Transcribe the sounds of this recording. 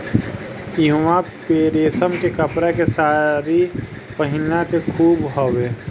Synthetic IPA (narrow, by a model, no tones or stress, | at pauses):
ɪɦwãpeːɾeːsəmkekəpɾakesaːɾi | pəɦɪnakekʰuːbɦoːweː